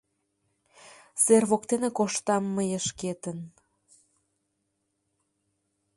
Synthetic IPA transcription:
serβokt̪enekoʃt̪ɑmːəjəʃket̪ən

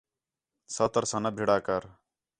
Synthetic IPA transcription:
sət̪əɾsãːnɐbʱiɽaːkəɾ

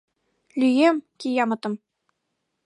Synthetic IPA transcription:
lʲyjemʲkʲijɑmɤ̆t̪ɤ̆m

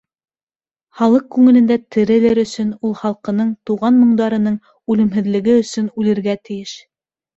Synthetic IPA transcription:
χɑlˠɤq̚kʉŋɘ̆lɘ̆nd̪æt̪ʰɘ̆ɾɘ̆lɘɾɵ̆sɵnulˠχɑlˠqɤ̆nɤɴt̪uʁɑnmɤ̆ɴd̪ɑɾɤ̆nɤɴ | ʉlɘ̆mɦɘ̆ðlɘ̆ɡɘɵ̆sɵnʉlɘ̆ɾɡæt̪ɘ̆jɘʃ

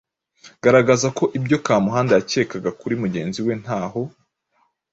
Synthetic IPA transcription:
ɡ̥aɾaɡazako̞ʔibɟo̞kaːmuɦaːndajace̞ːkaɡakuɾimuɟe̞ːnziwe̞n̥haːho̞

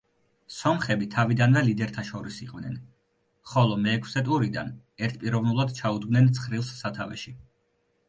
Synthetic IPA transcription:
sɔmχɛbit̪ʰavid̪anvɛlid̪ɛɾt̪ʰaʃɔɾisiqʼvnɛ̰n | χɔlˠɔmɛːkʰsɛt̪ʼuɾid̪a̰n | ɛɾt̪̚ʰpʼiɾɔvnulˠad̪t͡ʃʰaud̪ɡmnɛnt̪sʰχɾilˠsːat̪ʰavɛ̰ʃi

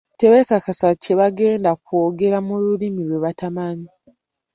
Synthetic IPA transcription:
te̞βekakasace̞βaɡe̞ːndakwo̞ːɡe̞ɾamululimiɾwe̞βatamaɲi

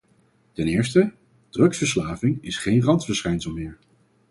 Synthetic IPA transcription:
tɛnɪːɹstə | d̥rɵksfəɹslaːvɪŋɪsχejnrɑntfəɹsχɛjnsəlˠmɪːɹ

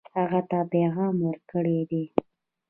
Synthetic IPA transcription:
haɣat̪apeɣɑmwəɾkəɽed̪e

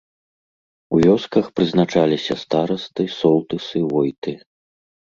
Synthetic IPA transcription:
uvʲɔskɐxpɾɨznat͡ʂalʲisʲɐst̪aɾɐst̪ɨsɔlˠt̪ɨsɨvɔjt̪ɨ

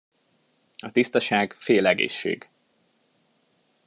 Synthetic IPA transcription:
ɒt̪ist̪ɒʃaːɡfeːlɛɡḛːʃːḛːɡ

